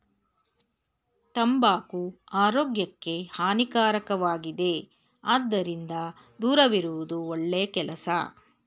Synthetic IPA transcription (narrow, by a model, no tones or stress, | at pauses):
t̪ɐmbaːkuaːɾoːɡjɐkːe̞haːnikaːɾɐkɐʋaːɡid̪e̞ | aːd̪ːɐɾind̪ɐ | d̪uːɾɐʋiɾuʋud̪uoɭːejɐkɛlɐsɐ̰